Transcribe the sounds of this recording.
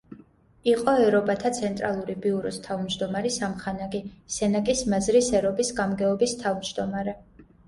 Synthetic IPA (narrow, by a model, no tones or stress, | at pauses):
iqʼɔɛɾɔbat̪ʰat̪sʰɛnt̪ʼɾalˠuɾibiuɾɔ̰st̪ʰavmd͡ʒd̪ɔmaɾisamχanaɡisɛnakʼismazɾisɛɾɔbisɡamɡɛɔbist̪ʰavmd͡ʒd̪ɔmaɾɛ